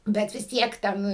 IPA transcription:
ˈbʲɛt ʋʲɪs ˈtʲiɛk ˈtʲɛn

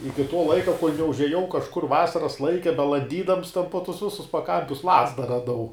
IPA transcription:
ˈɪkʲɪ toː ˈlˠɐɪkɐ koːlʲ nʲɛʊʒʲɛˈjɛʊ kɐʃˈkʊr ˈʋɑːsɐrɐs ˈlˠɐɪkʲɛ bʲɛlˠɐnʲˈdʲiːdɐms ˈtʲɛn poː ˈtʊs ˈʋʲɪsʊs pɐˈkɐmʲpʲʊs ˈlˠɑːzdɐ rɐˈdɐʊ

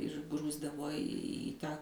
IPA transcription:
ɪr ˈɡruːzdɐʋoː iː ˈtɑː

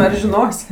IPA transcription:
ɐr ʒʲɪˈnoːsʲ

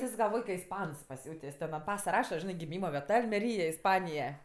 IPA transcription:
ɪs ɡɐlˠˈʋoːj kɐ ɪsˈpɐns pɐˈsʲuːtʲeːsʲ tʲɛn ɐnt ˈpɑːsɐ ˈrɑːʃɐ ˈʒʲɪnɜ ɡʲɪˈmʲiːmɐ ʋʲiɛˈtɐ ɐlʲmʲɛˈrʲiːjɛ ɪsˈpɑːnʲɪjɛ

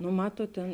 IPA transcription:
nʊ ˈmɑːtuɔt tʲeːn

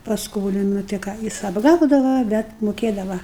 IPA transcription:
pɐsˈkoːlʲɪnɐ tɐɪ ˈkɑː ˈjɪs ɐbˈɡɐʊdɐʋɐ bʲɛt mʊˈkʲeːdɐʋɐ

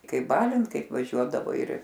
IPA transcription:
ˈkɐɪp ˈbɑːlʲɪnt ˈkɐɪp ʋɐˈʒʲuɔdɐʋɐɪ ɪr

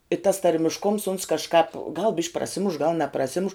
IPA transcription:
ɪ tɐs tɐrʲmʲɪʃˈkʊms ʊns kɐʃˈkɑːp ɡɐlˠ bʲɪʃʲkʲ prɐˈsʲɪmʊʃ ɡɐlˠ nʲɛprɐˈsʲɪmʊʃ

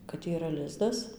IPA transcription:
kɐt iːˈrɐ ˈlʲɪzdɐs

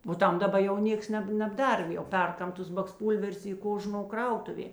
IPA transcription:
oː ˈtɐm dɐˈbɐ jɛʊ ˈnʲeːks ˈnʲɛp nʲɛbˈdɐr jɛʊ ˈpʲɛrˌkɐm ˈtʊs bɐksˈpuːlʲʋʲɛrʲʊs ˈiː ˈkoːˌʒnoː ˈkrɐʊtʊʋʲeː

